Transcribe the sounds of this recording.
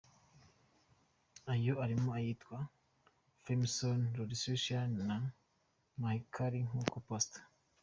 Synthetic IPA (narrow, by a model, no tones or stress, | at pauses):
ajoaɾimoajiːtwa | fimsonɾodisoʃana | maikʰaɾiŋ̥huːkopostḁ